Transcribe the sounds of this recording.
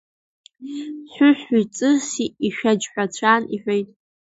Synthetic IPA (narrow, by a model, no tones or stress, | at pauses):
ɕʷʊɕʷᶣujt͡sʼɨsiiʃᶣad͡ʒħʷᶣat͡ɕʷʰaːniħʷᶣejtʼ